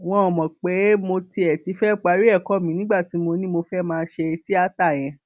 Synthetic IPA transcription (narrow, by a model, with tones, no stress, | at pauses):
w̃ɔ̃˧ɔ˨mɔ̃˨k͡pe˨˦mo˧ti˧ɛ˨ti˨˧˦fɛ˦k͡pa˧ɾi˦ɛ˦˨kɔ˦˨mĩ˨˦nĩ˦ɡ͡ba˦˨ti˨˦mo˧nĩ˦mo˧fɛ˦mãː˧˦ʃe˧e˧ti˦a˦ta˦˨j̃ɛ̃˧